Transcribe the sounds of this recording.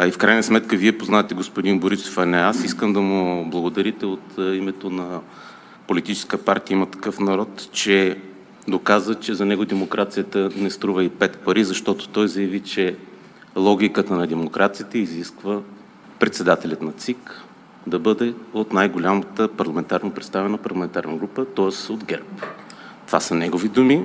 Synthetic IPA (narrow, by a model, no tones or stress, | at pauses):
ifkɾajnəsmɛt̪kəviɛpoznaɛt̪ɛɡospod̪inboɾiso̥fɐnɛasiskəmd̪ɐmʊblˠɐɡod̪ɐɾit̪ɛot̪imɛt̪onɐ | polit̪it͡ʃɛ̥skəpaɾt̪ijəimət̪ɐ̥kɤfnɐɾɔt̪t͡ʃɛ | d̪okazət͡ʃɛzɐnɛɡʊd̪ɛmokɾʔat̪sijət̪ənɛst̪ɾuvəipɛt̪pɐɾizɐʃt̪ɔt̪ʊ̥t̪ɔjzɐjɐvit͡ʃɛ | lˠɔɡʲikət̪ənɐd̪ɛmokɾʔat̪sijt̪ɛiziskvə | pɾɛt̪sɛd̪at̪ɛlʲɐt̪nɐt̪sik | d̪ɐbɤd̪ɛot̪najɡolʲamət̪əpɐɾlˠɐmɛnt̪aɾnəpɾɛt̪st̪avɛnəpɐɾlˠɐmɛnt̪aɾnɐɡɾupət̪ɔəsod̪ɡɛɾpt̪o̥vasənɛɡovid̪umi